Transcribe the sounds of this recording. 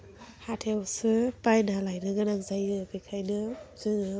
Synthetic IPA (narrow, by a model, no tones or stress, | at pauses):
hatʰewsɯpajnalajnɯɡɯnaŋzajɯbikʰajnɯzɯŋɯ